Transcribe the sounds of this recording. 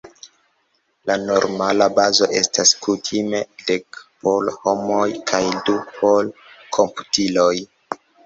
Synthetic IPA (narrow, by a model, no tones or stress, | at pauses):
lano̞ɾmalabazo̞ʔe̞staskʰutʰime̞dekpolhomojkʰajdupʰolkʰo̞mpu̥tiloj